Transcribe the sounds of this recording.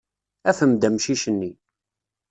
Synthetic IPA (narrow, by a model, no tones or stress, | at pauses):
æfəmd̪æmʃiʃənːi